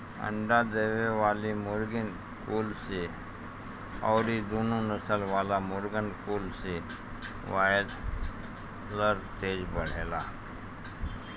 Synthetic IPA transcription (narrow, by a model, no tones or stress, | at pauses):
ə̰ɳɖad̪eːʋeʋaːlimʊɾɡən | kuːlse | ɔ̰ːɾid̪oːnonəsəlʋaːlamʊɾɡənkuːlse | ʋaːd̪ | ləɾt̪eːd͡ʒbəɽ̤eːlaː